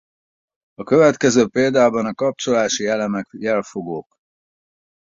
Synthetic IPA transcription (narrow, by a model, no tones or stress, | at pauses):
ɒkø̞vɛt̪kɛzøːpeːld̪aːbɒnɒkɒp̚t͡ʃo̞laːʃiɛlɛmɛkjɛlfo̞ɡoːk